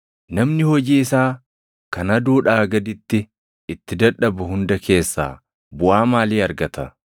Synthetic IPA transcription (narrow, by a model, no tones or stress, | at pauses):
nɐmnɪhɔd͡ʒiːɪsaː | kɐnɐd̪uːᶑaːɡɐd̪ɪt̪ːɪ | ɪt̪ːɪd̪ɐᶑɐbʊhʊnd̪ɐkʰe̞ːsːa̰ː | bʊʔaːmaːliːɐɾɡɐt̪ɐ